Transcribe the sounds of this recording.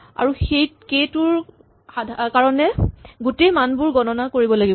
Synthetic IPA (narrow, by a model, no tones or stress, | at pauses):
a̰ɹuxejkejtʊɹ | adʱkaɹɔnɛɡutejmanbʊɹɡɔnɔnakoɹibɔlaɡibɔ